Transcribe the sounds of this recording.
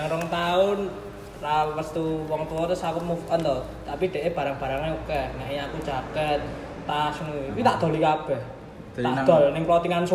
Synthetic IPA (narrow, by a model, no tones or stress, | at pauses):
aŋɾɔŋt̪aʊn | ralwəst̪uwɔŋt̪uɔt̪ʊsakʊt̪mufʔənt̪ɔ | t̪apid̥ɛ̤ʔeb̥a̤ɾaŋb̥a̤ɾaŋneukɛŋaʔiɲakud̥ʒ̥akən | t̪asŋit̪aʔd̪̥o̤likab̥ɛh̪ | ad̪̥ɔnɪŋpɔt̪iŋans